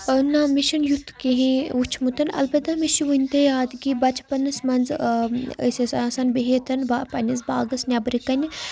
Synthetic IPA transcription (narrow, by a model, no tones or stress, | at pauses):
namiʃɐnjut̪ʰkeɦĩut͡ʃʰmut̪ɐnɐ̰lbɐd̪amiʃiʋunʲt̪ejaːd̪ɡibɐt͡ʃpɐnɐsmɐnd͡z | ə̰sesasɐnbeɦet̪ʰɐnbapɐnʲɐsbaːɡɐsnʲɐbɾikɐnʲi